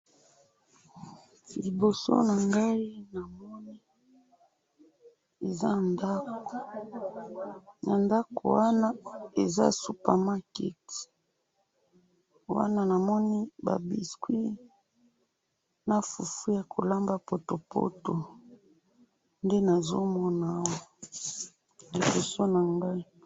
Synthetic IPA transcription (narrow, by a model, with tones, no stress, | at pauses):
li˨bo˨so̰˦na˨ŋɡa˦i˦na˨mɔ˦ni˦ | e˨za˦nda˦ko˨ | ja˨nda˦kʰo̰˨wa˦na˦e˨za̰˦su˦pa˨ma˦kɛ˦˨ti̥˨ | wa̰˦na˦na˨mɔ˦ni˦ba̰˨bi˨skwi˦ | na˨fu˨fu˦ja˨kʰo˨la˦mba˦po˨to˨pʰo̰˦to˨ | nde˦na˨zo˦mɔ˦na˨˦wa˦ | li˨bo˨so˦na˨ŋɡa˦i˦